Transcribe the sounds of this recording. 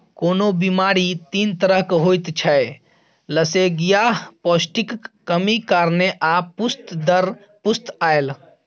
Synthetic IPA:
koːnobimaɾit̪int̪əɾəɦkɦojt̪t͡ʃʰəe | ləseɡijaɦpɔsʈikːəmikaːɾneʔapust̪d̪əɾ | pust̪ael

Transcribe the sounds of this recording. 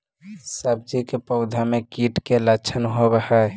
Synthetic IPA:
səb̚d͡ʒikepəʊd̪ʱamekiʈkelət͡ʃʰənɦobehə

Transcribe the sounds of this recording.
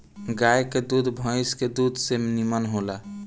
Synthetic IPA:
ɡajked̪ud̪ʱbʱə̃ɪsked̪ud̪ʱsemnimənɦola

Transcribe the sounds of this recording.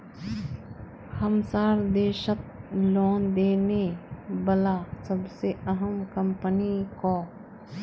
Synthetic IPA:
həmsaːɾd̪eːʃət̪̚loːnd̪eːnebəlasəbseəɦəmkə̃mpənikoː

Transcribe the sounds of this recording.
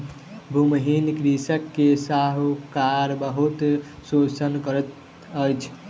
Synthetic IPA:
bʱuməɦinkɾisəkːesaɦukaɾbəɦut̪sot͡ʃənkəɾət̪ | əjt͡ʃʰ

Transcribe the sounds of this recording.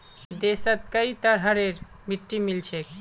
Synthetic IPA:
d̪esat̪̚kajt̪aɾɦaɾeɾ | miʈːimilt͡ɕʰek

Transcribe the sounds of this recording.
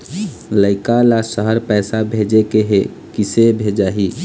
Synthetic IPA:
ləɪkalasəɦəɾpɛːsabʱed͡ʒekeɦe | kisebʱed͡ʒaːɦi

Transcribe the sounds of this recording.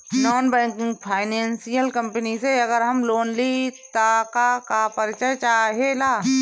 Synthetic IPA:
nɔːnbɛ̃ːŋkɪ̃ŋɡpʰaːɪnẽːnsijəlkɐ̃mpəniseɐɡəɾɦɐmloːnlit̪aːkakapəɾt͡ʃət͡ʃaːɦelaː

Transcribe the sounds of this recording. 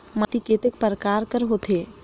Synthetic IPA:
maʈikeːt̪ekpəɾəkaːɾkəɾɦot̪ʰeː

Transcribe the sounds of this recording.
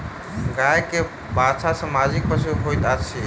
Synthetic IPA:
ɡajke | bat͡ʃʰasə̃mad͡ʒik̚pəɾsʰeɦojt̪at͡ʃʰi

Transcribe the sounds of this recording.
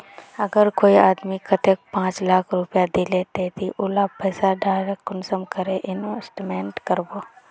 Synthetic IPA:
əɡəɾkoːiaːd̪mikʰət̪ek̚pãːt͡ʃlaːkʰɾʊpjad̪ileːt̪et̪ʰiʔʊlapɐːsaɖaːɾəkːʊnsəmkəɾeʔɪnesʈmeːɳʈkəɾboː

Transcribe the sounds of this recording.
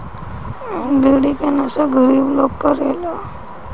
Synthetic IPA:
d̪iɽikenasaɡʱəɾiːblokkəɾela

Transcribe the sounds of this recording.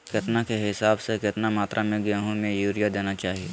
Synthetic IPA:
kɪt̪nakeɦɪsaːbsekɪt̪namaːt̪ɾʔamẽɡaːɦõmẽjuːɾijad̪eːnat͡ʃaːɦieː

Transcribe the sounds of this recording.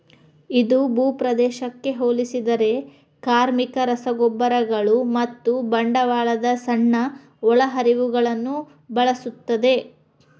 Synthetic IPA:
id̪ubuːpɾɐd̪ɛːʃɐkːe̞ɦoːlisid̪ɐɾe̞ | kaːɾmikɐɾɐsɐɡɔbːɐɾɐɡɐɭumɐt̪ːubɐɳɖɐʋaːɭɐd̪ɐsɐɳːɐ | ɔɭɐɦɐɾiʋuɡɐɭɐnːu | bɐɭɐsut̪ːɐd̪e̞

